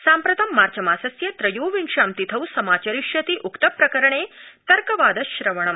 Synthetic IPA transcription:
saːmpɾɐt̪ɐmːaːɾt͡ʃɐmaːsɐsjɐt̪ɾɐjoːʋiŋʃaːmt̪it̪ʰɐwsɐmaːt͡ʃɐɾiʃjɐt̪iʔukt̪ɐpɾɐkɐɾɐɳeːt̪ɐɾkɐʋaːd̪ɐʃɾɐʋɐɳ̃ɐm

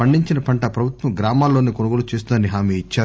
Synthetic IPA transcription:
pɐɳɖiɲt͡ʃinɐpɐɳʈɐpɾɐbʱut̪ʋɐmɡɾaːmaːlːo̞ːniːkonuɡoːlut͡ʃeːs̬t̪und̪ɐniɦaːmeːit͡ʃːaː

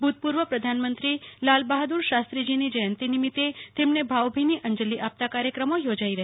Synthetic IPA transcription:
bʱud̪̚puɾʋəpɾəd̪ʱanmənt̪ɾilalbaɦd̪uɾʃast̪ɾid͡ʒinid͡ʒəjənt̪inimit̪et̪emnebʱawbʱiniʔəɲd͡ʒəliʔap̚t̪akaɾjəkɾəmojod͡ʒaiɾəɦ

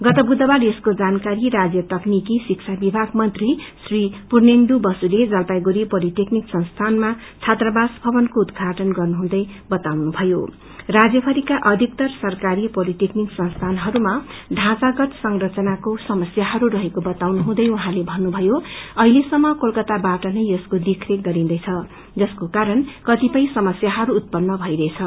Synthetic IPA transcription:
ɡʌt̪ʌbud̪ʌbaɾeskod͡zankaɾiɾad͡zjʌt̪ʌknikisikt͡sʰabibʱaɡmʌnt̪risripurnend̪ubʌsuled͡zʌlpajɡuɾipʌlit̪ekniksʌnst̪ʰanma | t͡sʰat̪rʌbasbʱʌbʌnkoud̪ɡʱaʈʌnɡʌrnuɦũd̪ʌjbʌt̪awnubʱʌjo | rad͡zjʌpʰʌɾikaʔʌd̪ʱik̚t̪ʌrsʌrkaɾipʌliʈ̪ekniksʌnst̪ʰanɦʌɾumaɖʱãt͡saɡʌt̪sʌŋrʌt͡sʌnakosʌmʌsjaɦʌɾuɾʌɦekobʌt̪awnuɦũd̪ʌjuɦãlebʱʌnːubʱʌjoʌɦilesʌmːʌkolkʌt̪abaʈʌnʌjʌskod̪ikʰreɡʌɾĩnd̪ʌjt͡sʰʌ | d͡zʌskokaɾʌnkʌt̪ipʌĩsʌmʌsjaɦʌɾuːt̪̚pʌnːʌbʱʌjɾʌet͡sʰʌ

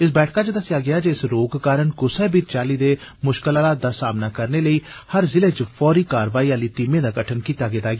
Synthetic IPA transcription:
ɪsbɛːʈʰkaːt͡ʃəd̪əsɪjaːɡɪaːd͡ʒeɪsɾoːɡkaːɾənkʊsɛːbiːt͡ʃaːliːd̪eːmʊʃkəlaːlaːt̪̚d̪aːsaːmnaːkəɾneːləiːhəɾzɪleːt͡ʃpʰɔːɾiːkaːɾʋaːiːaːliːt̪ɪmẽːd̪aːɡəʈʰənkiːt̪aːɡeːd̪aːɡː

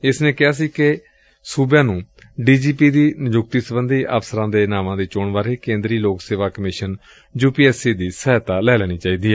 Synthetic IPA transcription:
ɪsneːkɪɦaːs̬iːke | suːbjãːnũː | ɖiːd͡ʒiːpiːd̪iːnɪd͡ʒʊk̚t̪iːsəbənd̪iːʔa̰ːpsəɾãːd̪eːnaːmãːd̪iːt͡ʃoːɳʋaːɾeːkẽːnd̪ɾiːloːkseːʋaːkəmɪʃən | d͡ʒuːpiːɛːsiːd̪iːsɛːt̪aːlɛːlɛːɽ̃iːt͡ʃaːiːd̪iːɛː

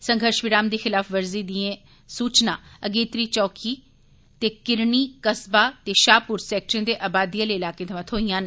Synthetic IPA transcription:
səŋɡʱəɾʃʋɪɾaːmd̪iːxɪlaːfʰʋəɾziːd̪iẽː | suːt͡ʃnãːəɡeːt̪ɾiːt͡ʃɔːkʰiː | t̪eːkɪɾɳiːkəsbaːt̪eːʃaːpʊɾsɛːk̚ʈə̃nd̪eːʔaːbaːd̪iːaːleiɪlaːkẽːt̪ʰəʋãːt̪ʰɦoːijãːn

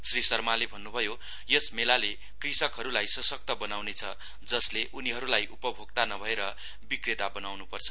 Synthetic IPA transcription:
srisʌrmalebʱʌnːubʱʌjo | jʌsmelale | krisʌkɦʌɾulajsʌsʌk̚t̪ʌbʌnawnet͡sʰʌ | d͡zʌsleʔuniɦʌɾulajʔupʌbʱoɡ̚t̪anʌbʱʌeɾʌ | bikret̪abʌnawnupʌrt͡sʰʌ

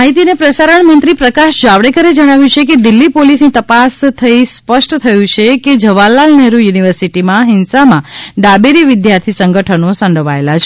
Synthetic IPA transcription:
aɦit̪inepɾəsaɾəɳmə̃nt̪ɾipɾəkaʃd͡ʒaʋɽekəɾed͡ʒəɽ̃aʋjũt͡ʃʰeked̪ɪlːipolisnit̪əpast̪ʰəispəʃʈt̪ʰəjũt͡ʃʰeked͡ʒəʋalːalneɾujuniʋəɾsiʈimãɦɪnsamãɖabeɾiʋɪd̪jaɾt̪ʰisəŋɡəʈʰənosə̃ɳɖəʋaelat͡ʃʰe

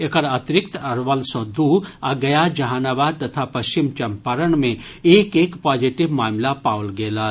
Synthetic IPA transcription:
ekəɾɐt̪ɾɪkt̪ɐɾʋəlsɔ̃d̪uaɡɐjad͡ʒɐɦaːnaːʋaːd̪̚t̪ɐt̪ʰapɐʃt͡ʃimt͡ʃɐmpaɾəɳmẽ | eːkeːkpaːd͡ʒiʈɪʋmaːmlapaːlɡeːlaː

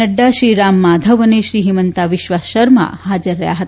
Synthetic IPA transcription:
əɖːaɕɾiːɾamːad̪ʱəʋəneɕɾiːɦimənt̪aʋiʃʋasʃəɾma̰had͡zəɾːəja̰ɦət̪

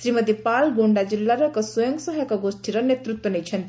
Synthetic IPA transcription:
sɾiməd̪ipalɡoɳɖad͡ʒilːaɾəkəswɔjəŋɡsəɦəkɔɡosʈʰiɾənːet̪ɾut̪wənɛjt͡ʃʰənt̪

